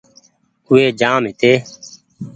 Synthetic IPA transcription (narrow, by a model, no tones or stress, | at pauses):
ʊeːd͡ʒaːmɦɪt̪eː